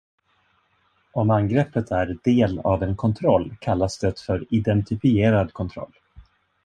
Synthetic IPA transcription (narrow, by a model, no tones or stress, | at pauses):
ɔmanɡɾɛpːət̪ʰæɾɖeːlavɛnkʰɔnt̪ʰɾɔlːkʰalːasd̪ɛt̪fœɾɪd̪ɛnt̪ɪfɪeːɾad̪kʰɔnt̪ʰɾɔ̰lː